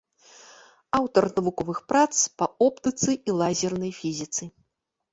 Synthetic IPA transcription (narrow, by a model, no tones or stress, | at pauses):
awt̪ɐrnɐvukɔvɨxpɾat̪spɐɔpt̪ɨt̪sɨilˠazʲɛrnɐjfʲizʲit̪sɨ